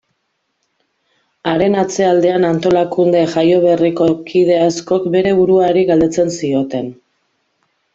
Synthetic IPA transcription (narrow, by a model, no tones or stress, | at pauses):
aɾe̞nat͡se̞ald̪e̞anant̪o̞lakund̪e̞ʝajo̞β̞e̞riko̞kið̞e̞asko̞kbe̞ɾe̞βuɾuaɾiɣald̪e̞t͡se̞nsio̞t̪e̞n